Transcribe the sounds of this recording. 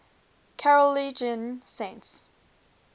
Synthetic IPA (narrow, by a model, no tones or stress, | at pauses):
kʰaɹəlid͡ʒə̃nsẽɪ̃nts